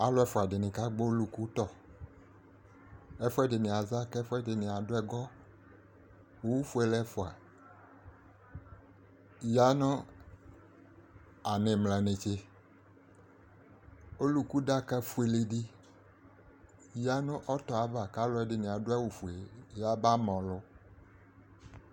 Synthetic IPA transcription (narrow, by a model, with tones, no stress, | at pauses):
a˨lɔ˦ɛ˦fo˨a˨ɖɪ˨nɪ̃˨ka˦ɡ͡bo˦lu˦ku˦t̪ɔ˦ | ɛ˦fu˦ɛ˦dɪ˨nẽ˨a˨za˦kɛ˦fo˦ɛ˦dɪ˨nẽ˨a˨do˦ɛ˨ɡɔ˦ | wo˦wu˦fu˦e˨lɛ˦fo˨a̰˨ | ja˦nɔ̃˦ | a˨nẽ˨mlã˨nẽ˨t͡ʃe˦ | o˦lu˨ku˦ɖa˦ka˦fu˦e˨le˨ɖi˦ | ja˦nʊ̃˦ʔɔ˦t̪ɔ˨a˨va˨ka˦lɔ˨˦ɛ˦ɖɪ˨nẽ˨a˨ɖʊ˦ɛ˦wu˨fu˨e˨ja˦ba˦mɔ̃˨lʊ˦